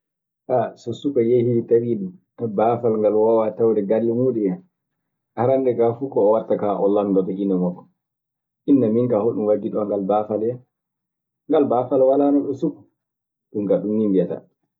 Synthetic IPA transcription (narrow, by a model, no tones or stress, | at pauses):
ʔasɔsukajehitawiɗum | abaːfalŋɡalwawatawdɛɡalːimuɗua | ʔaɾandɛkafukɔːwaɾtakaʔɔlanbataʔinɔmakːɔ | ʔinːamiŋkahoɗumwaɡiɗɔŋɡalbafalɛ | ŋɡalbaːfalwalaːnɔɗɔsuku̥ | ɗumkaɗumːimbijata̰